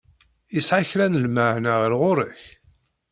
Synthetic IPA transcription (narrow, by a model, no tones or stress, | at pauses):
jəsʕaçɾænəlmaʕnaʁəɾʁʊɾəç